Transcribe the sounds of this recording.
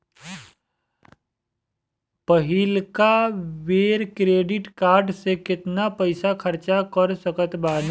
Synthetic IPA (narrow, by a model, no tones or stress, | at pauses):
pəɦɪlkaʋeːɾkɾeːɖɪʈkaːɾɖsekɪt̪napɐɪsakʰɐɾt͡ʃakəɾsəkət̪baːn